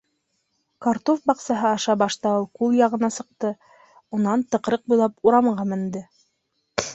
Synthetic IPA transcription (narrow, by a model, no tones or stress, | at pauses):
kart̪ofbɑqsɑɦɤɑʃɑbɑʃt̪ɑulˠkulˠjɑʁɤ̆nɑsɤ̆q̚t̪ɤ | unɑnt̪ɤ̆qɾɤq̚bujlˠɑpuɾɑmʁɑmɘ̆nd̪ɘ